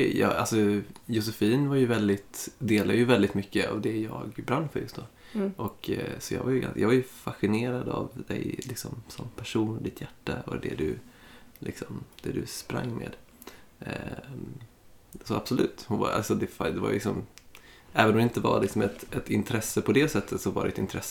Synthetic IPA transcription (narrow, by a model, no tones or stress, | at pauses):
ɛjːalsɔjʊs̬ɛfiːnvaɾjɵvɛld̪ɪt̪d̪eːlad̪jəvɛld̪ɪt̪mʏkːəavd̪ɛjɑːɡbɾanːfœɾjɵst̪d̪oː | ʔɔksɔjɑ̰ːɡvajɡa̰jɑːɡvaɾjɵfaɧɪneːɾad̪avd̪ɛ̰jlɪksɔmsɔmpʰæʂuːnɔd̪ɪt̪ʰjæʈːaɔd̪ɛ̰d̪ɵlʔɪksɔmd̪̥ɛd̪ɵspɾa̰ŋːmḛːd̪ | sɔab̥sɔlʉ̟̰ːt̪hʊnva̰ʔa̰lsɔd̪ɛfad̪ɛva̰j̰lɪksɔm | ɛːvənɔmd̪ɪnt̪əvalɪksɔmɛt̪ʔɛt̪ɪnt̪ʰɾɛsːəpʰɔd̪ɛsɛt̪ʰːət̪sɔvaɖɛɛt̪ɪnt̪ʰɾɛsːə